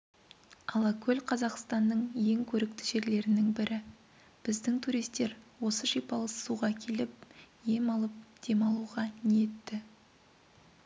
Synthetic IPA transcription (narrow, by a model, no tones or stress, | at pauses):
ɑlˠɑkʲʰɵlqʰɑzɑqst̪ɑnːəɴje̞ŋkʲʰɵɾɪk̚t̪ɪ̥ʒe̞ɾle̞ɾɪnɪŋbɪɾʔɪ | b̥ɪzd̪ɪŋt̪ʰuɾijst̪e̞ɾwo̞səʃipɑlˠəssuʁɑkʲʰe̞lɪp̚je̞mɑlˠəp̚d̪̥e̞mɑlˠuʁɑneje̞t̪ːɪ